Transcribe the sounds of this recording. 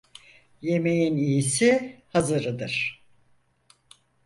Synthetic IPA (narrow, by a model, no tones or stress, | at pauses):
je̞me̞jinijisihazɯɾɯd̪ɯɾ̥